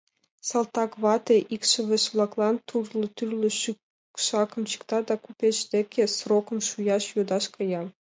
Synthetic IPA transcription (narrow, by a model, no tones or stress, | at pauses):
sɑlˠt̪ɑkʋɑt̪ʲeʔikʃɘ̆ʋʲɘ̆ʃʋlˠɑklˠɑnt̪ʰurlˠɤ̆t̪yrlʲɘ̆ʃy | ʃɑkɤ̆mt͡ɕi̥kt̪ɑd̪ɑkupʲet͡ʃd̪ʲekʲʰːĕsrokɤ̆mʃujɑʃjod̪ɑʃkɤjɑm